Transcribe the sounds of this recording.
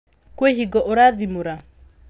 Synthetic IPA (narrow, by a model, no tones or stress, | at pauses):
kwehiɡɔʔoɾaðimuɾa